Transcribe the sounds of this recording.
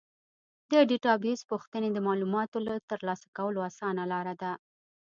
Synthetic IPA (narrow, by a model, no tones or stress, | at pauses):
d̪əɖiʈɑbjuspuxt̪əned̪əmɑlumɑt̪olat̪əɾlɑsḁkawəloasɑnalɑɾad̪a